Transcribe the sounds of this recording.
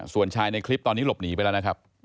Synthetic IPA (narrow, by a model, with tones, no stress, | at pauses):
su˨˩ənt͡ɕʰaː˧jna˧jkʰli˦˥p̚t̪ɔː˧nːiː˦˥lo˨˩p̚niː˩˦pa˧lɛː˦˥n˦˥kʰa˦˥p̚